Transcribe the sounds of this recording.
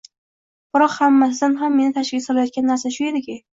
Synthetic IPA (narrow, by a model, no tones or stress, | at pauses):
b̥ɪɾɒqhamːas̬ɪzanɦamːe̞nɪt̪ʰaʃʲɪɡ̪ʲsɒlajɒt̪̚kʲanːaɾsaʃʊjed̪ɪkʲɪ